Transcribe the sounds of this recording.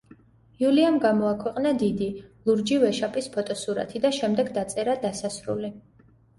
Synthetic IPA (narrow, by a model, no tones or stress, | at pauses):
juliamɡamɔakʰwɛqʼnad̪id̪ilˠuɾd͡ʒivɛʃapʼispʰɔt̪ʼɔsuɾa̰t̪ʰid̪aʃɛmd̪ɛɡd̪at̪sʼɛɾad̪asasɾṵli